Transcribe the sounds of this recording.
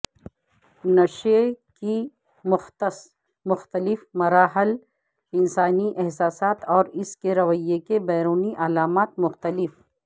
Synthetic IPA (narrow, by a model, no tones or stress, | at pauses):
nɐʃeki | mʊxt̪ | mʊxt̪əlɪfmɐɾaːɦɪl | ɪnsaːniʔɛɦsaːsaːt̪ɔːɾɪskeɾɐʋəjekebɛːɾuːniʔɐlaːmaːt̪mʊxt̪əlɪf